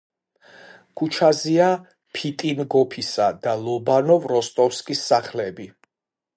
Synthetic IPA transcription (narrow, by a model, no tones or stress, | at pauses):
kʰut͡ʃʰazia | pʰit̪ʼinɡɔpʰisad̪alˠɔbanɔvɾɔst̪ʼɔfskʼisːaχlɛbi